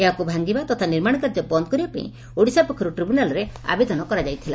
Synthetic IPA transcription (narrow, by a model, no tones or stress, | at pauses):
eɦakubʱaŋɡibat̪ɔt̪ʰaniɾmaɽ̃ɔkaɾd͡ʒɔbɔnd̪̚kɔɾibapa̰ḭ̃ | oɽisapɔkʰɔɾuʈɾibunalɔɾea̰bed̪ɔnɔkɔɾad͡ʒajt̪ʰila̰